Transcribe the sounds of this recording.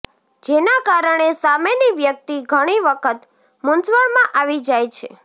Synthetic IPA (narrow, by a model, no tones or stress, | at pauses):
d͡ʒenakaɾəɳ̃esameniʋjək̚t̪iɡʱəɽ̃iʋəkʰət̪ | mʊnsʋəɭmãʔaʋid͡ʒajt͡ʃʰḛ